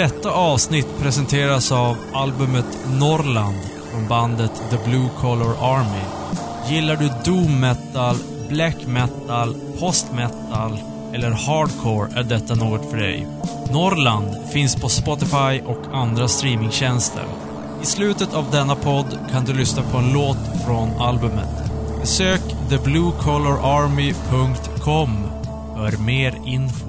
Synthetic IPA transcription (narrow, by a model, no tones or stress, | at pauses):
d̪ɛt̪ːaʔɑːvsnɪt̪ːpʰɾɛsɛnt̪ʰeːɾasavʔalbɵmət̪nɔɾland̪ | fɾɔnband̪ət̪d̪əblʉːkʰɔlɔɾaɾmɪ | jɪlːaɖɵd̪uːmːɛt̪ːal | blɛkːmɛt̪ːal | pʰɔst̪mɛt̪ːal | ɛlːəɾhɑːɖkʰoːɾæɖɛt̪ːanuːɡɔt̪fœɖɛ̰j | nɔɾland̪fɪnspʰɔspɔt̪ɪfajʔɔkʰand̪ɾast̪ɾiːmɪŋɕɛnst̪ʰə̰ɾ | ɪslʉ̟ːt̪ət̪avd̪ɛnːapʰɔd̪ːkʰand̪ɵlʏsnapʰɔɛnloːt̪fɾɔnalbɵmə̰t̪bɛsøːkd̪əblʉːkʰɔlɔɾʔaɾmɪpʰɵŋkt̪kʰɔm | hœːɾmeːɾɪnfo